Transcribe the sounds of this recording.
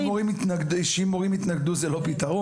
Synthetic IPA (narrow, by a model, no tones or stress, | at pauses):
oʁimit̪naɡdʃeimoʁimit̪naɡd̪uzelo̞pit̪aʁo